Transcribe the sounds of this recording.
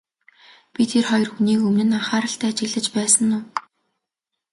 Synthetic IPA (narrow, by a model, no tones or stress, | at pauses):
pʲit̪ʰerχɔjɞ̆rxuniːkɵmnɘ̆naχaːɾə̆ɬt̪æːt͡ɕɪ̆ɣɮə̆t͡ɕpæːsə̆nːʊː